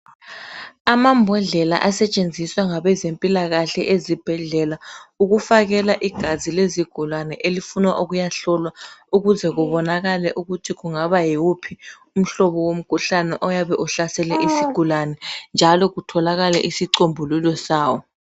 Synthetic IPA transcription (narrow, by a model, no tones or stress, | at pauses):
amambʱɔɮɛla̰ʔasɛt͡ʃʼend͡zʱiswaŋaβɛzempʼilaɣaɬɛʔezib̥ʱɛɮɛlauɣufaɣɛlaʔiɡ̥ʱazileziɡ̥ʱulanɛʔelifunwaʔuɣujaɬɔlwauɣuzɛɣuβɔnaɣalɛʔuɣutʰiɣuŋaβajiwupʰi | um̩ɬɔβɔwom̩kʰuɬanɛʔɔjaβɛʔuɬasɛlɛʔisiɡ̥ʱulanɛnd͡ʒʱalɔɣutʰɔlaɣalɛ̰ʔisiǀombʱululɔsaːwɔ